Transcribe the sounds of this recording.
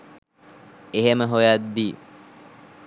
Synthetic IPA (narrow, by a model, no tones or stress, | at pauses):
eɦeməɦojad̪ːi